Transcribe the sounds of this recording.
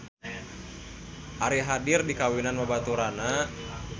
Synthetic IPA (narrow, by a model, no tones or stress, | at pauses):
ʔaɾiɦadirdikawinanmabat̪uɾana